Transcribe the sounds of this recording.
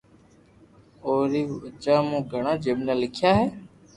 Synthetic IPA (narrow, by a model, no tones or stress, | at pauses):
oːɾiːʋʊt͡ʃaːmũːɡʱəɳ̃ãːd͡ʒeːɓnẽːlɪkʰjaːɦɛː